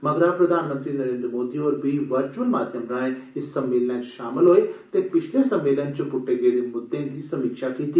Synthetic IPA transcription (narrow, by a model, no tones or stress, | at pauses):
mɐɡɾapɾɐd̪ʱaːnmə̃nt̪ɾiːnɐɾẽːnd̪ɾəmoːd̪ioːɾbʱiʋɐɾt͡ʃuəlmaːd̪ʱjəmɾãːẽɪsːɐmːeːlnãʃaːmɪlɦoːet̪epɪt͡ʃʰlesɐmːeːlənt͡ɕopʊʈːeɡeɾemʊd̪ːend̪isɐmikʃakiːt̪i